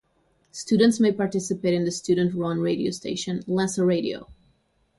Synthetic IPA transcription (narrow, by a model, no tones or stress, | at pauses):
studə̃n̩tsmeɪpɑɹtɪsɨpeɪɾɨ̃nðɨstʰʉd̃n̩tɹɔ̃nɹeɪɾio̰ʊstʰeɪʃɨ̃nlɛsəɹeɪɾḭo̰ʊ